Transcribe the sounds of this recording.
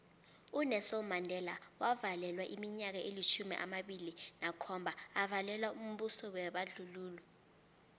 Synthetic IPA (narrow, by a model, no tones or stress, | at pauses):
unɛsɔmandʱɛlawavalɛlwaʔimiɲak̬aʔelit͡ʃʰumḭʔa̰maɓilinakʰɔmbʱaavalɛlwaum̩ɓusɔwɛɓaɮuluːlwɛ